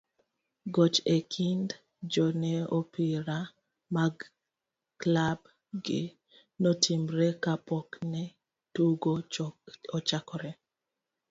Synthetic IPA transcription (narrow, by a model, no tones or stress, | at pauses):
ɡɔt͡ʃekʰind | d͡ʒɔnɛopiɾa | maɡ | klab | ɡɪ | notʰimɾɛkapɔknɛ | tuɡo | ɔt͡ʃakɔɾɛ